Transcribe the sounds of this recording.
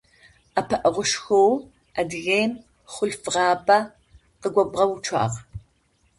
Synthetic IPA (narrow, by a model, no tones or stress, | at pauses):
ɐpʰɐʔɐʁʷʊʂxow | ɐdɨɣeːn | χʷʊɬfɨʁɑːpʼɐ | qəɡʷɐbʁɐwut͡ʃʷʰɑ̰ːʁ